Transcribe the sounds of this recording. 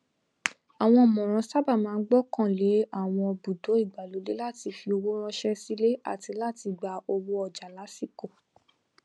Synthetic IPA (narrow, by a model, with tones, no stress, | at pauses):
a˨w̃ɔ̃˧ɔ˨mɔ̃˨ɾ̃ã˨˧˦sa˦ba˦˨mãː˨˦ɡ͡bɔ˦˨kã˦˨le˨˦a˦˨w̃ɔ̃˧bu˨do˨˦i˦˨ɡ͡ba˨lo˨˦le˦la˦˨ti˧fi˧o˧wo˦ɾ̃ã˦ʃɛ˦si˦le˦a̰˦˨ti˧la˦˨ti˧ɡ͡ba˧o˧wo˦ɔ˨d͡ʒa˨la˨˦si˦˨ko˨